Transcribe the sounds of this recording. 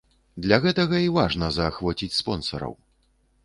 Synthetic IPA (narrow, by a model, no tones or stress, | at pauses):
d̪lʲɐɣɛt̪ɐɣɐivaʐnɐzɐːxvɔt͡sʲit͡sʲspɔnsɐ̰ɾɐ̰w